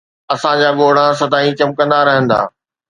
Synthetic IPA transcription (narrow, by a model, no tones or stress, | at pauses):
ɐsãd͡ʑaːɠoːɽ̤ãs̬ɐd̪aːĩt͡ɕɐmkə̃nd̪aɾɐɦə̃nd̪a̰ː